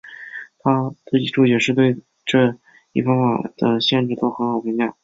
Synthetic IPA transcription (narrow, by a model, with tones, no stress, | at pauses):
t̪ʰa˥t̪ə˥˧i˥˩ʈ͡ʂu˥˩t͡ɕɥɛ˨˩ʂɻ̩˥˧t̪we˥˧ɪ | ʈ͡ʂɤ˥˧ | i˥˩fɑ˥ŋfa˨˩d̪̥ə˧ɕjɛ˥˧nʈ͡ʂɻ̩˥˩t̪o˥ʊxə˧˥nxɑ˨˩ʊpʰi˧˥ŋmjɑ˥˩